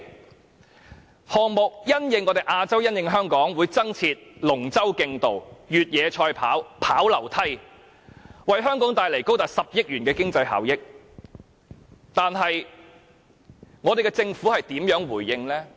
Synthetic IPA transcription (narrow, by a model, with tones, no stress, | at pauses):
hɔː˨ŋ̚mʊ˨k̚jɐ˥njɪ˧ŋːɔː˨˧t̪e˨˩jʔaː˧t͡sɐ˥wjɐ˥njɪ˨˧ŋɦœː˥ŋkɔː˨˥ŋwuː˨˧jt͡sɐ˥ŋt͡sʰiː˧t̚lʊ˨˩ŋt͡sɐ˥wkɪ˧ŋt̪o˨wjyː˨t̚jɛː˨˧t͡ʃʰɔː˧jpʰa̰ː˨˥wpʰaː˨˥wlɐ˨˩wt̪ʰɐ˥j | wɐ˨jɦœː˥ŋkɔː˨˥ŋt̪aː˨˩jle˨˩jko˥wt̪aː˨˩sɐ˨p̚jɪ˥k̚jyː˨˩nkɛː˧kɪ˥ŋt͡sɐ˧jɦa̰ː˨˩wjɪ˥k̚ | t̪aː˨nɦɐ˨j | ŋɔː˨˧d̪e˨jkɛ˧t͡sɪ˧ŋfuː˨˥hɐ˨jt̪iː˨˥mjœː˨˥ŋwuː˨˩jːɪ˧ŋlɛː˥